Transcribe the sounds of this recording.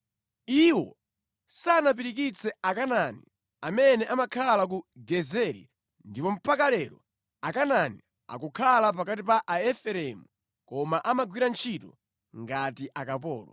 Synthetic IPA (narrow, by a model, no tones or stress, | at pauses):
iwɔ | sanap̬iɾik̬it͡sʰɛakananḭ | amɛnɛʔamakʰalak̬uɡɛzɛɾḭ | ndipɔm̩pʰakalɛɾɔ | akanani | a̰kukʰalapakatipaʔaɛfɛɾɛmu | kɔmaʔamaɡwiɾant͡ʃʰitɔ | ŋɡatiʔakapɔ̰ːlɔ̰